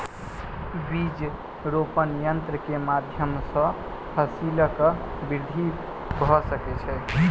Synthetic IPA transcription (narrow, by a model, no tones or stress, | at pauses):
bid͡ʒ | ɾopənjənt̪ɾəkemad̪ʱjəmsə̃ | pʰəsiləkəbiɾd̪ʱi | bʱɔsəkɛt͡ʃʰɛ